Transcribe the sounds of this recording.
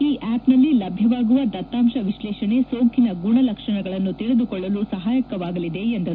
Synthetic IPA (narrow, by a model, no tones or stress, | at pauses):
iːʔaːpnɐlːilɐbʱjɐʋaːɡuʋɐd̪ɐt̪ːaːmʃɐʋiʃlɛːʃɐne̞soːkʰinɐɡuɳɐlɐkʂɐɳɐɡɐɭɐnːut̪iɭed̪ukɔɭːɐlusɐɦaːjɐkɐʋaːɡɐlid̪e̞end̪ɐɾ